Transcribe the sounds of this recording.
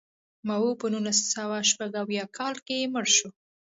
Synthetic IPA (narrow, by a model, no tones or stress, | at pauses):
mawopənulassawaʃpaɡawjɑkʰɑlkejeməɽʃo